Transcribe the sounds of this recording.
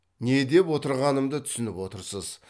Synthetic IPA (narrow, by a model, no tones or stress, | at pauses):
ne̞d̪e̞pwo̞t̪əɾʁɑnəmd̪ət̪ʰʏ̥sɪnɪpwo̞t̪əɾsəz̥